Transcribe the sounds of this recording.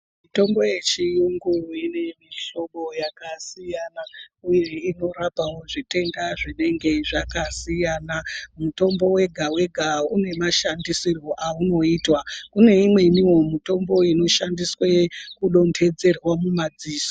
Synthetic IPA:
mito̞mbo̞je̞t͡ʃijuŋɡuine̞miɬo̞ɓo̞jakasijanauje̞ino̞ɾapawo̞ʐite̞ndaʐine̞ŋɡe̞ʐakasijaːnamuto̞mbo̞we̞ɡʱawe̞ɡʱaune̞maʃandisiro̞ʔauno̞iːtwakune̞imwe̞niwo̞mito̞mbo̞ino̞ʃandiswekuɗo̞nde̞d͡ze̞rwamumad͡ziːso̥

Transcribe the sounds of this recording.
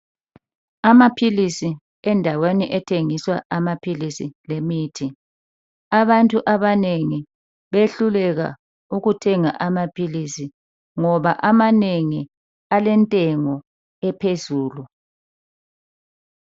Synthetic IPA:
amapʰilisi | ɛndʱaweniʔɛtʰeŋiswaʔamapʰilisilemiːtʰi | aβantʼuʔaβaneŋi | βeɬulɛɣa̰ | uɣutʰɛŋa̰ʔamapʰilisi | ŋɔβaʔamaneŋi | alɛntʼɛŋɔ | ɛpʰezuːlu

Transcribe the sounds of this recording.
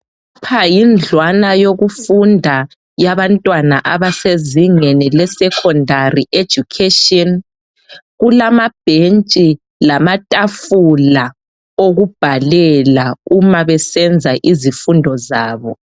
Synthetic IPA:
upʰajind͡ɮʱwanajoɣufundʱa | jaβantʼwanaʔaβaseziŋenilɛsɛkʰɔndʱariʔe̥ʒ̥ʱukʰetɔn | ɣulamab̥ʱent͡ʃʼi | lamatʼafula | oɣub̥ʱalɛlaumaβɛsɛnd͡zʱaʔizifundʱɔzaːβɔ

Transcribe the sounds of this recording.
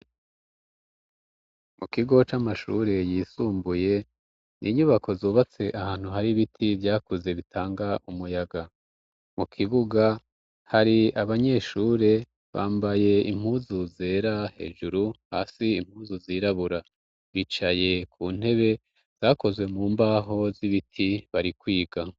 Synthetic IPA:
mukiɡo̞t͡ʃamaʃṵɾe̞jiːsuːmbuje̞ | nʔḭːɲuβakʰo̞zoːβat͡se̞ʔahaːn̥huɦaɾiβitʰivjaːkuze̞βitʰaːŋɡaʔumujaɡa | mukʰiβuɡa | haɾiaβaɲe̞ʃuːɾe̞ | βa̰ːmbaje̞ḭm̥huːzuze̞ːɾahe̞̰ːʒuɾuha̰ːsiim̥huːzuziːɾaβuɾa | βit͡ʃaje̞kʰuːn̥e̞βe̞ | z̥aːko̞zwe̞muːmbaɦo̞ziβitʰiβaɾikwiːɡa

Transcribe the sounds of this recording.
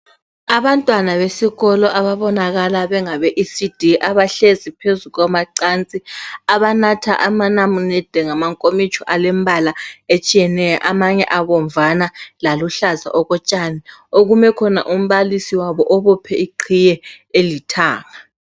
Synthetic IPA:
aβantʼwanaβesiɣɔlɔʔaβaβɔnaɣalaβɛŋaβɛʔisid̥ʱiʔaβaɬezipʰezuɣamaǀant͡sʼiaβanatʰaʔamanamunɛd̥ʱɛŋamaŋkʼomit͡ʃʰʼɔʔalɛmbʱalaet͡ʃʼijɛnɛjɔ̰ʔamaɲɛ̰ʔaβɔɱvanalaluɬaza̰ʔɔɣɔt͡ʃʼanioɣumɛkʰɔna̰ʔum̩βalisiwaβɔʔɔβɔpʰɛiǃʰijɛ | elitʰaːŋa

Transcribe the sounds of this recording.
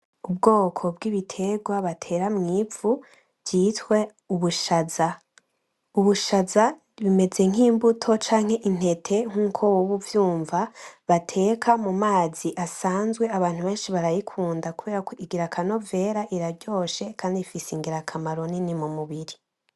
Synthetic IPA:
ubɡo̞ːkʰo̞bɡiβitʰe̞ɡwaβatʰe̞ːɾamŋiːfu | vjiːtwe̞ | uβuʃaza | uβuʃaza | βime̞ze̞ŋ̥hiːmbutʰo̞t͡ʃaːŋ̥he̞ʔin̥he̞tʰe̞ŋ̥uːkʰo̞wuβuvjuːɱvaβatʰe̞ːkʰamumaːz̥iʔasaːnzɡwe̞aβaːnhuβe̞ːnʃiβaɾajikʰuːndakuβe̞ːɾakiɡiɾakʰano̞ve̞ːɾaʔiɾaɾɟo̞ːʃe̞kʰaːndifisiŋɡiɾakʰamaɾo̞ninimumuβiɾi

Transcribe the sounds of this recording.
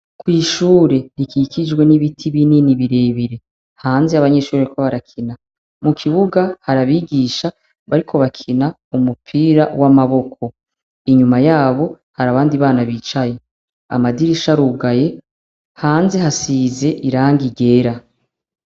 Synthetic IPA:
kwiːʃuːɾe̞ɾikikid͡ʒɡwe̞niβitʰiβininiβiɾe̞ːβiɾe̞ | haːnzeaβaɲe̞ːʃuːɾeβaɾiko̞βaɾakʰina | mukʰiβuɡahaɾaβiɡiːʃa | βaɾikʰo̞βakʰina | umupʰiːɾawʔamaβo̞kʰo̞ | iɲumajaːβo̞ | haɾaβaːndiβaːnaβiːt͡ʃaje | a̰madiɾiʃaɾuːɡaje̞ | haːnze̞ɦasize̞ʔiɾaːŋɡiɡe̞ːɾa

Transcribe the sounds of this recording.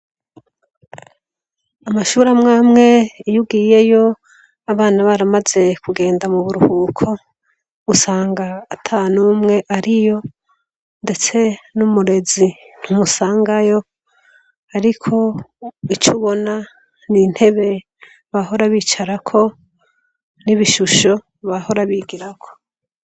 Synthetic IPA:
amaʃuːɾamŋaːmŋe̞jubɡiːje̞jo̞ | aβaːnaβaɾamaze̞kuɡe̞ːndamuβuɾuhuːkʰo̞ | usaːŋɡaːtʰanuːmŋe̞ʔaɾijo̞ | nde̞t͡se̞numuɾe̞zi | n̥humusaːŋɡajo̞ | aɾikʰo̞it͡ʃuβo̞na | nin̥he̞βe̞ | βaɦo̞ɾaβiːt͡ʃaɾakʰo̞ | niβiʃuʃo̞ | βaho̞ɾaβiɡiɾakʰo̞̥

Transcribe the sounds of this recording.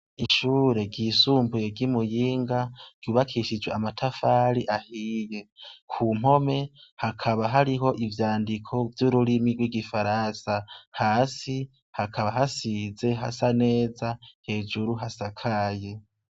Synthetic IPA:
iʃuːɾe̞ɡiːsuːmbuje̞ɡimujiːŋɡaɾ̥ɟjuːβakʰiːʃid͡ʒweamatʰafaːɾiʔahiːje̞kʰuːm̥o̞me̞hakʰaβaɦaɾiɦo̞ʔivjaːndikʰo̞vjuɾuɾimiɡwiɡifaɾasahaːsi | hakʰaβaɦasize̞ɦa̰sane̞ːzahe̞ːd͡ʒuɾuɦasakʰaje̞

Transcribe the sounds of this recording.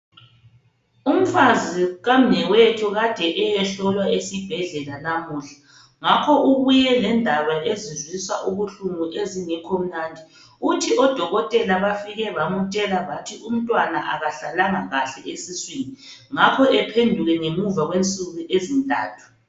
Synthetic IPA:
um̩faziɣam̩nɛwetʰɔɣad̥ʱɛʔɛjɛɬɔlwaesib̥ʱɛɮɛlanamuːɬḁ | ŋakʰɔʔuɣujɛlɛndʱaβaʔezizwiswa̰ʔuɣuɬuŋuʔeziŋɛkʰom̩nandʱi | utʰiʔɔd̥ʱɔɣɔtʼɛlaβafiɣɛβamutʼɛlaβatʰiʔum̩tʼwanaʔaɣaɬalaŋaɣaɬɛʔesiswiniŋakʰɔʔɛpʰendʱuɣɛŋemuvaɣwent͡sʼuɣuʔezintʼa̰ːtʰu̥

